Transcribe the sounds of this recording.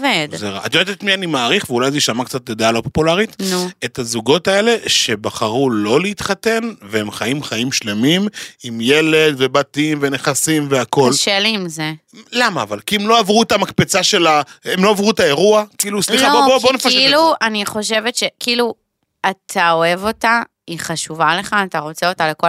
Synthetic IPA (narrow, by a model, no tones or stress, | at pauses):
ved̪zeʁa̰ʔat̪etet̪mianimaːʁiχveulajzeʃamakt͡sat̪od̪ealo̞po̞pulaʁitnuetazuɡo̞tae̞le̞ʃe̞baχaʁulo̞leit̪χate̞nveemχaimχaimʃle̞mimimje̞le̞d̪ve̞batimve̞ne̞χasimveako̞lʃeliːmze | lamaːvalkiemlo̞avʁuetamakpet͡saʃe̞laemlo̞avʁuetae̞ʁuakiilusliχaobobobonekfaʃiluaniχo̞ʃe̞vetʃekiilu | at̪ʰao̞e̞vo̞ta | iχaʃuvale̞χaːtaʁo̞t͡seo̞taleko